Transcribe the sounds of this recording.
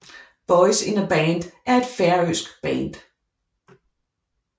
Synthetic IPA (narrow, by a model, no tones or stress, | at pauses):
b̥ɔɪsɪ̃nəbæːnd̥ʔæɐe̝d̥fæɐøsɡ̥b̥æ̰ːnd̥